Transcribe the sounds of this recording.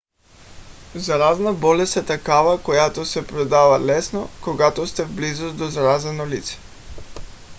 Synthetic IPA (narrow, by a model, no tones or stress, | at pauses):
zaɾaznabɔlɛst̪ɛt̪akavakojat̪osɛpɾod̪avalɛsnokoɡat̪ost̪ɛvblizosd̪ozaɾazɛnolit̪sɛ̥